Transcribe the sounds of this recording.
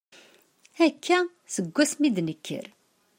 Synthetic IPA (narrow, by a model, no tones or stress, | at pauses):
ækʰːæ | səɡʷːæsmid̪nəkʰːə̰ɾ